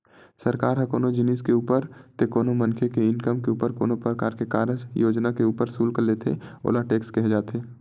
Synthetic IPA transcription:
səɾkaːɾɦəkoːnod͡ʒɪniskeuːpəɾt̪ekoːnomə̃nkʰekeɪnkəmkeuːpəɾko̰ːnopɾɾəkaːɾkekaːɾəd͡ʒjoːd͡ʒnakeuːpəɾsuːlkəɾleːt̪ʰḛo̰ːlaʈeːkskɛɦd͡ʒaːt̪eː

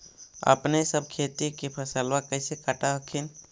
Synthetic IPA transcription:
ə̰pnesəb̚kʰeːt̪ikipʰəsəlwakəɪsekəʈaɦəkʰin

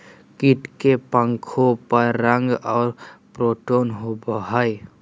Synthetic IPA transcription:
kiʈkepəŋkʰopəɾːəŋɡɔːɾpɾoːʈoːnɦobəɦəj

